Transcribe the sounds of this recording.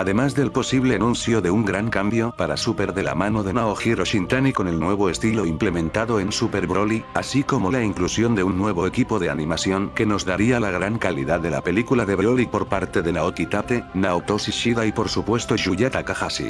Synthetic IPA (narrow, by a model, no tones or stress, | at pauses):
aðe̞mazðelpo̞siβle̞anũn̟θjo̞ðe̞uŋɡɾaŋkambjo̞paɾasupe̞ɾðe̞la̰mano̞ðe̞naoxiroʃint̪aniko̞ne̞lnwe̞β̞o̞e̞st̪ilo̞imple̞mẽnt̪aðo̞e̞nsupe̞ɾβɾo̞liasiko̞mo̞laiŋklusjo̞nd̪e̞unːwe̞β̞o̞ekipo̞ðe̞a̰nĩmasjo̞ŋke̞no̞zðaɾialaɣ̞ɾaŋkalḭðaðe̞la̰pe̞likulaðeβolipo̞ɾpaɾt̪e̞ðe̞naokit̪ape̞naot̪osiʃiðaipo̞ɾsupwe̞st̪oʃuʝet̪akaxasḭ